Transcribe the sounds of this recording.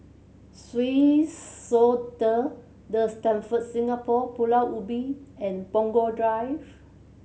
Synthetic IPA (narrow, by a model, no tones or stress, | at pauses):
swisːotə | dəstɛ̃nfət̚sĩŋapɔpulaʔubiɛ̃npɔ̃ŋɡɔdɹajf